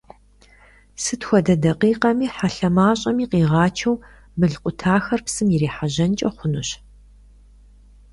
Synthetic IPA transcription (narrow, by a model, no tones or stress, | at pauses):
sɨtxʷɔdɐdɐqiːqɐmiːħaɬɐmaːɕʼɐmiːqiːʁɑːt͡ʃʰɐw | bɨɮqʷʼʊtʰaːxɐrpsɨmjɪɾeːħaʑɐnt͡ʃʼɐχʷʊnɨɕ